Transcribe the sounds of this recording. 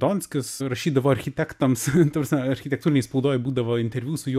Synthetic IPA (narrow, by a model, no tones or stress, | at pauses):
t̪oːnʲsʲkʲɪsɾɐʃʲiːd̪ɐʋoːɐɾʲxʲɪt̪ʲækt̪ɐmst̪ɐprɐsʲmʲɛɐɾʲxʲɪt̪ʲɛk̚t̪uɾʲɪnʲɛɪspɐʊd̪oːjɛbuːd̪ɐʋoːɪnʲt̪ʲɛɾʲʋʲuːsʊju